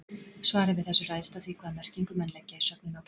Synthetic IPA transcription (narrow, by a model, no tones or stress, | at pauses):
svaːɾɪvɪðθɛsːʏraːjst̪aθvikʰvaðamɛr̥ciŋkʏmɛnlɛcːaisœpnɪnaw